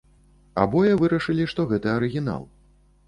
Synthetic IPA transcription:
a̰bɔjɐvɨɾɐʂɨlʲiʂt̪ɔɣɛt̪ɐɐɾɨɣʲin̪a̰lˠ

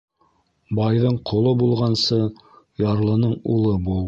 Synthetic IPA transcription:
bɑjðɤɴqŏlˠɤbulˠʁɑnsɤ | jɑɾlˠɤ̆nɤɴṵlˠɤbu

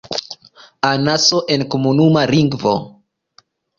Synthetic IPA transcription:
anasoʔe̞nkomunumaliŋɡvo̰

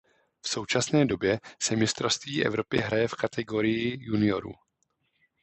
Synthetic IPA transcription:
fso̞wt͡ʃasnɛːdo̞bjɛsɛmɪst̪ɾofst̪viːʔɛ̰vɾo̞pɪɦɾajɛfkat̪ʰɛɡo̞ɾɪjɪjunɪo̞ɾṵ

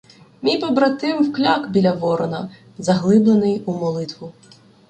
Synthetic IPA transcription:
mʲijpɔbɾɐt̪ɪwwklʲakbʲilʲɐʋɔɾɔnɐ | zɐɦlˠɪblˠenɪjumɔlˠɪt̪ʋʊ

